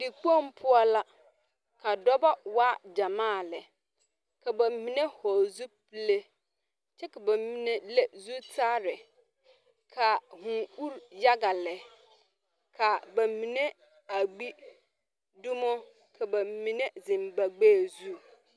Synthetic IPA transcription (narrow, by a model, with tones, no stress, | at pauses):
di˨k͡pɔ̃˦˨m̩˦pʰʊ˦ɔ˦la˦ | kʰa˨dɔ˦ba˦wa˦d͡ʑa˨mã˦˨lɛ˨ | kʰa˨bɛ˨m̩˦˨mĩ˨nẽ˦hɔ˨zu˦pi˦le˦ | t͡ɕʰɛ˦kʰa˨ba˨˦mĩ˦nẽ˦lɛ˦zu˦tʰa˦ɾɪ˨ | kʰa˨hũ˨u˦ɾja˦ɡa˨lɛ˨ | kʰa˨ba˨mĩ˨nẽ˦ | a˨ɡ͡bi˦ | du˦mɔ̃˦ | kʰɛ˨ba˨m̩˨mĩ˨nɛ̃˦d͡zɪ̃˨m̩˨ba˨ɡ͡beː˦˨zu˦